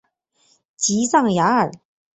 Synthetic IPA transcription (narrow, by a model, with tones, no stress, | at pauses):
t͡ɕi˧˥sɑ˥˩ŋja˧˥ə˨˩